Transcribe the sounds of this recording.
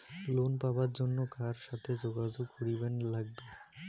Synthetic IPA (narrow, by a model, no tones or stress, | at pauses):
lonpabaɾd͡ʑonːokaɾʃat̪ʰed͡ʑoɡad͡ʑoɡkoɾibenlaɡ̚be